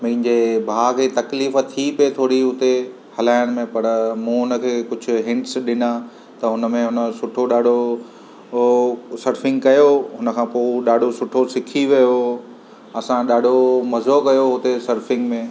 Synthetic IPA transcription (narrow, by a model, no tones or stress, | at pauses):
mɐ̃ɦɪ̃ɲd͡ʑebʱaːkʰeːt̪ɐkliːft̪ʰipiet̪ʰoːɾiɦʊt̪e | hɐlaːɪəɽ̃mẽpɐɾmũːɦʊnə̆kʰeːkʊd͡ʑʱʊ̆ɦɪ̃ɳʈsɗɪna | t̪ɐɦʊnə̆mẽɦʊnə̆sʊʈʰoɗaːɖʱo | sɐɾfɪ̃ŋɡkɐjoɦʊnə̆kʰãːpoːɗaːɖʱosʊʈʰosɪkʰiʋijo | ɐsãɗaːɖʱomɐzokɐjoɦʊt̪esɐɾfɪ̃ŋɡmẽ